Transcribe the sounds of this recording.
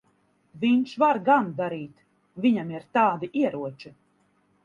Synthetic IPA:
viɲʃvaɾɡand̪aɾiːt̪ | vʲiɲamiɾt̪aːd̪iʔiɛɾuɔt͡ʃi

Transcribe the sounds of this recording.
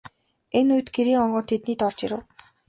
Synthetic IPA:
enuj̆t̪ɡeɾiːŋɔɴɢɞ̆nt̪ʰet̪niːt̪ɔr̥t͡ɕiɾɘ̆w

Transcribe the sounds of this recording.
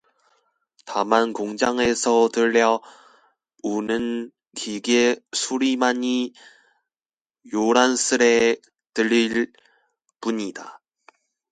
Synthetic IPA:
tamankoŋd͡ʑaŋe̞sʰʌtɯɾːʌ | unɯn | kiɡesʰuɾimaɲi | joɾansʰɯɾe̞ | tɯɾiɭ | p͈uɲida̰

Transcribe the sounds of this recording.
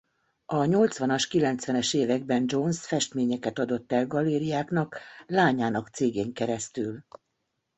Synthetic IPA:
ɒɲo̞lt̪sʋɒnɒʃkilɛnt̪sʋɛnɛʃeːvɛɡ̚bɛnd͡ʒonsfɛʃt̪meːɲɛkɛt̪ɒd̪o̞t̪ːɛlɡɒleːɾiaːkn̪ɒklaːɲaːnɒkt̪seːɡeːŋkɛɾɛst̪yl

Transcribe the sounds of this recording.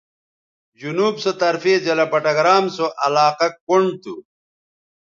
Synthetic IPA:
d͡ʑunuːbsɐt̪ɐɾfeːd͡ʑɐlɐpɐʈɐɡɾaːmsoʔɐlaːqɐkoɳɖt̪u

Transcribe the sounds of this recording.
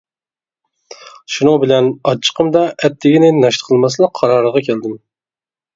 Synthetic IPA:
ʃunʊbɪlɛnɑt͡ʃʰːə̥qʰəmd̪ɑʔɛt̪ʰːɪɡʲinɪnɑʃt̪ə̥qʰəlˠmɑslˠək̚qʰːɑɾɑɾəʁɑkʲʰæld̪ɪm

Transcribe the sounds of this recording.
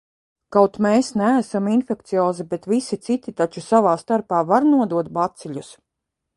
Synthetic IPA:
kawt̪meːsnæːsaminfɛkt̪sijɔːzibet̪visit̪sit̪it̪at͡ʃusavaːst̪aɾpaːvaɾnuɔd̪uɔt̪̚bat̪siʎʲus

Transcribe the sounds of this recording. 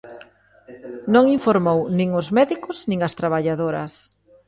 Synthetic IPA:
nõŋiɱfoɾmownĩŋʊzmɛðikʊznĩŋɐst̪ɾaβaʎaðoɾɐ̰s

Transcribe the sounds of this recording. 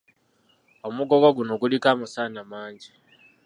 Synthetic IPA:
omuɡo̞ɡoɡuno̞ɡulikamusaːnamaːɲɟi

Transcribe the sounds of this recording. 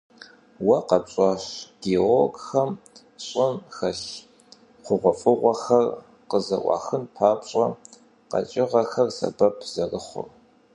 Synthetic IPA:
wɐqɐpɕʼɑɕɡ̥eoɡxɐm | ɕʼɪnxɐɕ | qʷʊʁʷɔfʼɨʁʷɔxɐr | qəzɐ̰ʔʷɑ̰ːxɨnpʰaːpɕʼɐ | qɐ̰t͡ʃʼɪʁɐxɐrsɐ̰bɐpʰz̥ɐrɨχʷʊ̰r

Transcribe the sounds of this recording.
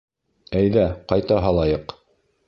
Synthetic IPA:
æjðæqɑjt̪ɑɦɑlˠɑjɤq

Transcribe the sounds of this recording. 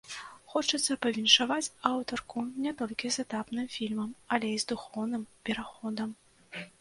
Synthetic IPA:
xɔt͡ʂɐt̪sːɐpɐvʲinʂavat͡sʲawt̪ɔrkunʲɛt̪ɔlʲkʲizɛt̪apnɨmfʲilʲmɐmɐlʲɛizd̪uxɔwn̪ɨmpʲɛɾaxɔd̪ɐm

